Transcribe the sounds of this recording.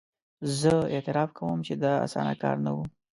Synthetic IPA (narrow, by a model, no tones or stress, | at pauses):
zəet̪ɪɾɑfkawəmt͡ʃed̪əa̰sɑ̰na̰kɑ̰ɾnawu